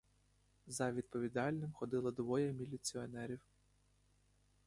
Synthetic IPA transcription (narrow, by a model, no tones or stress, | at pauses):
zɐʋʲid̪̚pɔʋʲid̪ɑlʲnɪmxɔd̪ɪlˠɐd̪ʋɔjɛmʲilʲit͡sʲiɔnɛɾʲiw